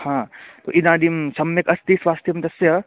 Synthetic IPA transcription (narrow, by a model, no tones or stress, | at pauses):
hãːt̪o̰ːʔid̪ãːd̪imsɐmjɐkɐst̪iːsʋaːst̪ʰjɐmd̪ɐsjɐ